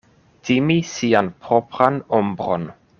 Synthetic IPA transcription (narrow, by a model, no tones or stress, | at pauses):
timisianpɾopɾanombɾo̰n